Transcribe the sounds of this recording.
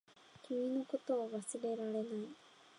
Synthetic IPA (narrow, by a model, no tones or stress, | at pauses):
kʲimino̞ko̞t̪o̞ːβasiɾe̞ɾaɾe̞nai